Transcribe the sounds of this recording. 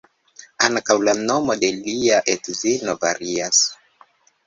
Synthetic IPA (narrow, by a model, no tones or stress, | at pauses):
aŋkawlanomodeliaʔetzinovaɾias